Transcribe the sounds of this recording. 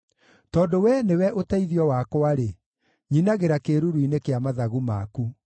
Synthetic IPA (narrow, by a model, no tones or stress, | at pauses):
tɔːdowɛnewɛʔotaiðiɔwakwaɾe | ɲinaɣeɾakeɾuɾuinekeamaðaɣumaku